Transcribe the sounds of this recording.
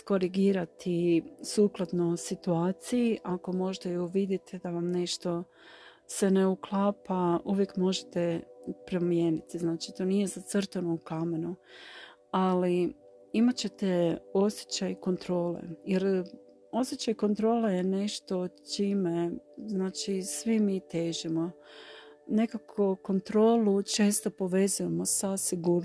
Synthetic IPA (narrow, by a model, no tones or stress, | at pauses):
sko̞ɾiɡiːɾat̪isuːklˠad̪nosit̪uaːt̪sijiʔako̞mo̞ʒt̪ejoʋid̪jet̪ʰed̪aʋamne̞ʃt̪o̞ | se̞ne̞uklˠaːpaʔuʋje̞kmo̞ʒet̪epɾo̞mje̞ːnit̪iznaːt͡ʃit̪o̞nije̞zat̪srt̪onoukame̞nu | ali | imat͡ɕe̞t̪eo̞sʲje̥t͡ɕajko̞nt̪ɾo̞ːlḛjeɾ | o̞sjet͡ʃajko̞nt̪ɾo̞ːleje̞ne̞ʃt̪o̞t͡ʃiːme̞znaːt͡ʃisʋimiːt̪e̞ːʒimo̞ | ne̞kakʰoko̞nt̪ɾo̞ːlut͡ʃe̞ːst̪o̞po̞ʋe̞zuje̞mo̞sasiɡuːɾn